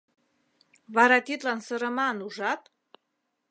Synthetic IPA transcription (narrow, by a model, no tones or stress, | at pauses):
βɑɾɑt̪it̪lɑnsəɾə̆mɑnuʒɑt̪̚